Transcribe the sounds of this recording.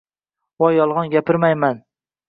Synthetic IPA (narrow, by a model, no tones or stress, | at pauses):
wɒjɒlˠʁɑnɡʲapɪɾmajman